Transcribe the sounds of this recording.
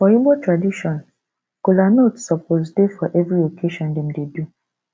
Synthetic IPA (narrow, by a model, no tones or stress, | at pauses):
fɔibɔtɾadiʃɔ̃n | kolanotsɔpʰozdefɔʔɛvɾiokʰeʃɔ̃ndem̩dedu